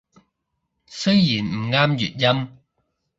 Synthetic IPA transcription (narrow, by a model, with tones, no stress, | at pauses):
sɵ˥ɥjiː˨˩nm̩˨˩ŋaː˥mjy̰ː˨˩t̚jɐ˥m